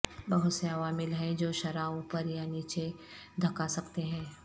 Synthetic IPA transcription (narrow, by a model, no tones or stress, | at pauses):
bɐɦʊt̪seɐʋaːmɪlɦɛ̃d͡ʒoːʃɐɾaːõpɐɾjaniːt͡ʃe | d̪ʱɐkasɐkt̪eɦɛ̃ː